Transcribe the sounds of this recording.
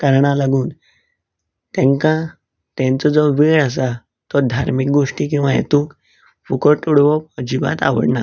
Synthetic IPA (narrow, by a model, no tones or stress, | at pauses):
kəɾɳ̃alaɡuːn | t̪ɛ̃ŋkã | t̪ɛ̃nt͡sɔd͡zɔʋeɭas̬a | t̪ɔd̪ʱaɾmik̚ɡoʂʈiːkĩw̃ʋajḛt̪uːk | fukəʈuɽʋɔpəd͡ʑiba̰t̪a̰ʋə̰ɽna